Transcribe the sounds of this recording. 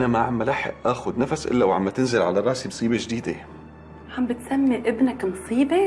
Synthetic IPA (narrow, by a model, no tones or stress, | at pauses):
ʔnæmaʕamːælaħḛʔʔæːxod̪næfæsʔɪ̰lːæwʕa̰mːæt̪enzelʕa̰lærˤːɑːʔsimsˤiːbeʒed̪iːd̪æ̰ | ʕambɪt̪sæmːiʔɪbnæknsˤiːbe